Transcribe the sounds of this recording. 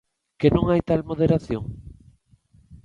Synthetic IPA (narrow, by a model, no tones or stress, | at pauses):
kenõŋajt̪almoð̞eɾaθjoŋ